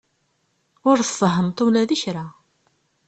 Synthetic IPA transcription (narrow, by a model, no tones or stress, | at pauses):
ʊɾθsˤəɦəmt̪ˤulæðiçɾa